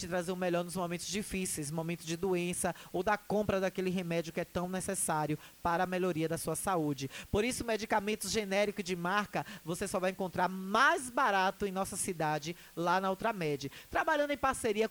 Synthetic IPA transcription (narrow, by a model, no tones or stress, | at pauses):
t͡ʃɪt̪ɾazeɾʊ̃meʎɔɾnʊzmõmẽnt̪ʊzd͡ʒifisejz̬mõmẽnt̪ʊzd͡ʒɪd̪uẽsɐowd̪ɐkõmpɾɐd̪akelɪɦemɛd͡ʒjʊkɪɛt̪ɐ̃w̃nesesaɾjʊpaɾɐːmeʎoɾiɐd̪ɐsuɐsaud͡ʒɪpoɾisʊmed͡ʒikamẽnt̪ʊʒenɛɾikʊd͡ʒɪmaɾkɐvosesɔvajẽŋkõnt̪ɾaɾmajzbaɾat̪ʊẽj̃nɔsɐsid̪ad͡ʒɪ | lanɐowt̪ɾɐmɛd͡ʒɐt̪ɾabaʎɐ̃nd̪ẽj̃paɾseɾiɐ